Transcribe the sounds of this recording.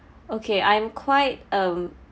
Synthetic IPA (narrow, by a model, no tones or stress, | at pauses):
okʰeʔãj̃mkʰwaɪt̚ʔʌ̃m